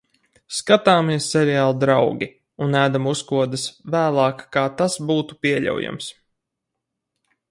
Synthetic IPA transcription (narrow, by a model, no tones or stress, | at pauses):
skat̪aːmiɛsːɛɾɛaːlˠd̪ɾawɡʲi | unæːd̪amuskuɔd̪ɨsvæːlˠɑːkkaːt̪asbuːt̪upʲiɛʎʲa̰wja̰ms